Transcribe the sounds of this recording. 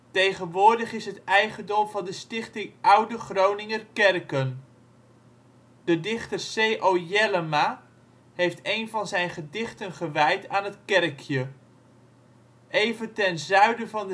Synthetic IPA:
tejχənʋʊːɹdəχɪsɦətɛjχəndɔmvɑndəstɪχtɪŋʔʌwdəχrownɪŋərkɛrkən | d̥ədɪχtərsejʔojɛləma | ɦejftejnvɑnzɛjnχədɪχtənχəʋɛjtaːnɦətkɛrkʰjə | ʔejvəntɛnzœɥdəvɑnd

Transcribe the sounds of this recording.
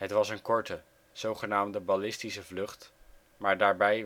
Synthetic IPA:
ɦətʋɑsənkɔɹtə | z̥owχənaːmdəbɑlɪstisəvlɵχt | maːɹdaːɹbɛj

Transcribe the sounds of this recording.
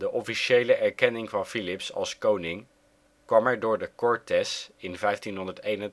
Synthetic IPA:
dəʔɔfiʃejləʔɛɹkɛnɪŋvɑnfilɪpsɑ̰lˠskownɪŋ | kʋɑmɛɹdʊːɹdəkɔɹtɛsɪnvɛjftinɦɔndəɹtejnən

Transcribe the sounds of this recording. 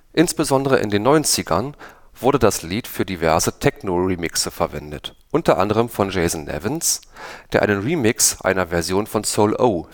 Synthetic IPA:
ʔɪnsb̥əzɔndəʁəʔɪ̰ndeːnːɔʏnt͡sɪɡɐn | v̥ʊɐdədasliːtfyːɐdivɛɐzətʰɛknoʁiːmɪksəfɛɐvɛ̰ndə̰tʔʊntʰɐʔa̰ndəʁ̞əmfɔnd͡ʒeɪzn̩nɛ̰vənsd̥eːɐʔa̰ɪnənʁiːmɪksʔa̰ɪnɐvɛɐzjoːnfɔnsoʊlʔo̰ː

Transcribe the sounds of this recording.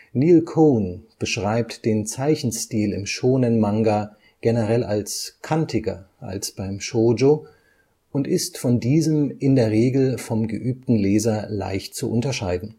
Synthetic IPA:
niːlkʰoːnb̥əʃʁ̥aɪptd̥eːnt͡saɪçn̩stiːlɪ̰mʃoːnənmaŋɡa | ɡ̥enəʁɛla̰lskʰantʰɪɡɐ̰ʔa̰lsb̥aɪmʃoːd͡ʒo | ʔʊntɪstfɔndiːzəmɪndeːɐʁeːɡl̩fɔmɡəʔyːp̚tn̩leːzɐla̰ɪçt̚t͡suʔʊntɐʃaɪdn̩

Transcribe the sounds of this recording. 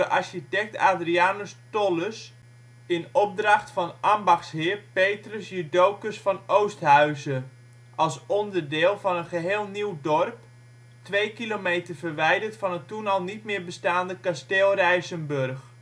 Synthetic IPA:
əʔaɹʃitɛk̚taːdriaːnəstɔləs | ɪnɔp̚drɑχtfɑnʔambɑxshɪːrpejtrəsjədowkəsfɑnowstɦœɥzə | ʔɑlˠsɔndərdɪːlˠvɑnənχəɦeːlˠniwdɔrp | tʋejkilomejtərvərʋɛjdərtfɑnətunɑlˠnitmɪːɹbəstaːndəkasteːlˠrɛjsənbørx

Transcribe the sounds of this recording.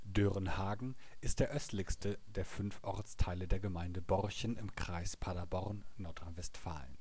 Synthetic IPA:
døʁənhaːɡŋ̩ʔɪst̚d̥eːɐʔœstlɪçstʰədeːɐfʏnfʔɔɐt͡stʰaɪlədeːɐɡəmaɪndəbɔʁçənɪmkʁ̥aɪspʰadabɔʁnːɔɐtʁ̥anvɛstfa̰ːlən

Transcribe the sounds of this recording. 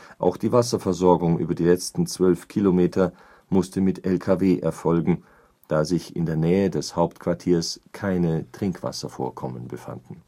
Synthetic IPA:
ʔa̰ʊxd̥iːvasɐfɛɐzɔɐɡʊŋʔy̰ːbɐdiːlɛt͡stn̩t͡sv̥œlfkʰilomeːtʰɐ | mʊstəmɪtɛlkʰaveːʔɛɐfɔlɡŋ̩ | d̥aːzɪçɪ̰ndeːɐnɛːədɛshaʊptkv̥aɐtʰiːɐskʰaɪnətʁ̥ɪŋkv̥a̰sɐfo̰ːɐkʰɔmənbəfa̰ndn̩

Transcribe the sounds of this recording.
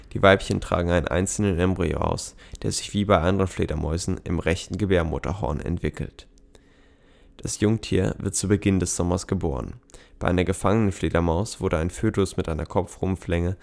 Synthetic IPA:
d̥iːvaɪpçəntʁ̥a̰ːɡŋ̩aɪnə̰nʔa̰ɪnt͡sl̩nənɛmbʁio̰ʔa̰ʊsd̥eːɐzɪçv̥iːbaɪʔandəʁənflḛːdɐmɔʏzn̩ɪmʁɛçtn̩ɡəbeːɐmʊtʰɐ̰ɦɔ̰ɐnɛ̰ntv̥ɪkl̩t | d̥asjʊŋtʰḭːɐvɪ̰ɐt̚t͡subəɡɪndɛsz̥ɔmɐsɡ̥əboːʁənb̥aɪʔaɪnɐɡəfaŋənənfleːdɐmaʊsv̥ʊɐɾəaɪnføːtʊsmɪtʔaɪnɐkʰɔpfʁ̥ʊmflɛŋə

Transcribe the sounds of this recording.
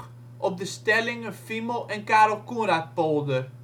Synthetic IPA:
ʔɔp̚dəstɛlɪŋəfiməlˠɛnkaːɾɔlˠkunɾat̚polˠdə

